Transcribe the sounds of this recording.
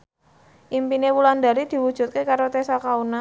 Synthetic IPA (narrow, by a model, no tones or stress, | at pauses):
ʔimpinewuland̪a̤ɾid̪̥i̤wud̥ʒ̥ṳt̪̚kekaɾot̪esakauna